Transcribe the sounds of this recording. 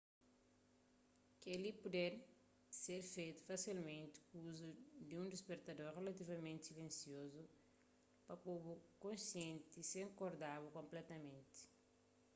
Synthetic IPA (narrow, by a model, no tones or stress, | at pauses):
kelipud̪ɛɾ | seɾfejt̪u̥fasilmẽnt̪i̥kuzud̪ũnd̪espeɾt̪ɐd̪oɾrelɐt̪ivɐmẽnt̪silẽnsiozu | pɐpobukõnsiẽnt̪isẽŋkoɾd̪aβukõmplɛt̪ɐmẽnt̪i̥